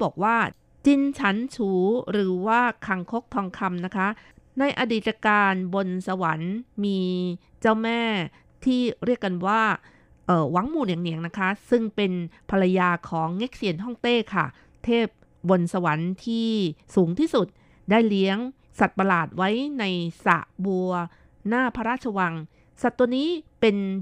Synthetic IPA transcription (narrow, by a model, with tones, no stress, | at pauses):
bɔː˨˩k̚waː˥˩ | t͡ɕi˧nt͡ɕʰa˦˥nt͡ɕʰuː˩˦ɾɯː˩˦waː˥˩kʰa˧ŋkʰo˦˥k̚t̪ʰɔː˧ŋkʰa˧mna˦˥kʰa˦˥na˧jʔa˧diː˨˩t̪̚ːa˧kaː˧nbo˧nsa˧wa˩˦nmiː˧ | t͡ɕa˥˩wmɛː˥˩ | t̪ʰiː˥˩ɾi˥˩əkːa˧nwaː˥˩ | ʔɤː˨˩wa˨˦ŋmuː˨˩naː˨˩ŋni˨˦na˦˥kʰa˦˥sɯ˥˩ŋpe˧npʰa˧la˧jaː˧kʰɔː˩˦ŋːe˦˥k̚si˨˩˦ənɦɔ˥˩ŋt̪eː˥˩kʰa˥˩ | t̪ʰeː˥˩p̚ | bo˧nsa˧wa˩˦nt̪ʰiː˥˩suː˩˦ŋt̪ʰiː˥˩su˨˩t̪̚ | daː˥˩jli˦˥əŋ | sa˨˩t̪̚pa˧laː˨˩t̪̚wa˦˥jna˧jsa̰˨˩ʔbu˧ɐ | naː˥˩pʰa˧ɾaː˥˩t̪t͡ɕʰa˧wa˧ŋ | sa˨˩t̪ːu˧əniː˦˥pe˧n